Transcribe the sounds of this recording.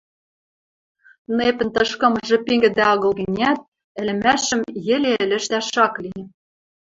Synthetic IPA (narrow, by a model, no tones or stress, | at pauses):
nepɘ̆nt̪ɤ̆ʃkɤ̆mɤ̆ʒɤ̆peŋɡɘ̆d̪æɤ̆ɣɤ̆lɣɘ̆nʲæt̪̚ | ɘ̆lɘ̆mæʃɘ̆mjɘ̆lʲeɘ̆lɘ̆ʃt̪æʃɑkliĕ